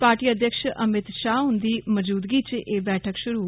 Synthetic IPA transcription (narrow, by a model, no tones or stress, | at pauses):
paːɾʈiːəd̪jəkʃəmɪt̪ʃaːɦʊ̃nd̪iːməd͡ʒuːd̪ɡiːt͡ʃeːbɛːʈʰəkʃʊɾuː